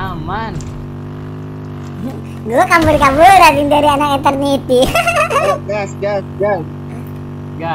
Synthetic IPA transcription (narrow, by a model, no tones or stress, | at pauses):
aman | ɡuɛkambəɾkabəɾaindəɾianakint̪ərnit̪i | jasɡasɡas | ɡa